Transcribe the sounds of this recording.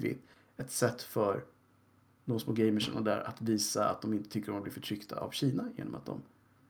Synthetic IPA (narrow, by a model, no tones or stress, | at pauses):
vɪ̰t̪ | ɛt̪sɛt̪ːfœɾ | noːsmoːɡɛɪjməʂɛ̰nad̪æ̰ːɾat̪viːsaa̰t̪̚d̪ɔmɪnt̪ət̪ʰʏkːəɾɔmmblɪfœʈʰɾʏkt̪ʰaa̰vɕiːnajḛːnɔmat̪̚d̪ɔ̰m